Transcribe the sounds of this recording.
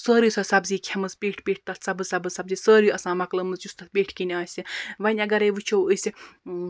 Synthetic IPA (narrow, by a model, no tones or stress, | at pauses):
səːɾisɐsɐbziːkʲʰɐmɨspeːʈʰpʲeːʈ̚ʰt̪ɐt̪ʰsɐbɨzsɐbɨzsɐbziːsəːɾiɐsãːmɐklɐmɨsjust̪ɐt̪̚ʰpʲeːʈʰkinʲaːsʲiʋɐnʲɐɡɐɾejʋɨt͡ʃʰowəsʲi